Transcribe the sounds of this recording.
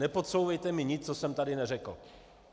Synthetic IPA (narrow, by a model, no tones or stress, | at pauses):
ɛpo̞t̪sowvɛjt̪ɛmɪɲɪt͡st͡sosɛmt̪adɪnɛrɛkl̩